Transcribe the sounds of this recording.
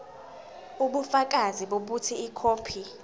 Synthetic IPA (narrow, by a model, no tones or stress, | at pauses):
uɓufak̬ʼaziɓoɓutʰiikʰoːpʰi